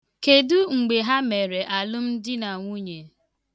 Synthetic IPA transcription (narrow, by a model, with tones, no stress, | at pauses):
ke˨du˦ŋ͡m̩˨ɡ͡be˨ɦa˦me˨ɾe˨ʔa˨lʊ˦m̩˦dɪ˦na˨ŋʷu˦ɲe˨